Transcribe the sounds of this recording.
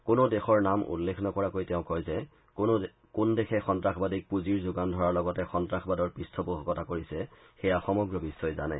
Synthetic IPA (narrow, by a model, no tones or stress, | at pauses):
kʊnodexɔɹnamʔṵlːekʰnɔkɔɹakojtɛʊ̃kojzɛ | kundexʰɛxɔntɹaxbadik̚puziɹzʊɡandʱɔɹaɹlɔɡɔtɛxɔntɹaxʰbadɔɹpɹistʰɔpuɦɔkɔtakoɹisɛ | xɛjaxɔmɔɡɹɔbisɔjza̰nɛ̰